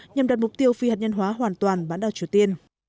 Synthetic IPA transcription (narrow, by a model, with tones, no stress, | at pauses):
ɲa˨˩mɗa˨˩t̚mʊ˨˩k͡p̚t̪i˧əwfi˧ha˨˩t̚ɲə˧nɦwaː˨˦ɦwaː˨˩nt̪waː˨˩nɓaː˨˦nɗaː˨˩wt͡ɕi˨˩əwt̪i˧ən